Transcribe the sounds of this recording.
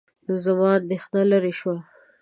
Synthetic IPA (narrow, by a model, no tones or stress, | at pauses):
nzamɑd̪exnalaɾeʃwa